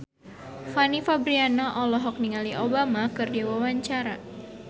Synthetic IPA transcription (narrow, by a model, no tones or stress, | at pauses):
fanifabɾianaʔɔlɔɦɔk̚niŋaliʔobamakɨrdiwawaɲt͡ʃaɾa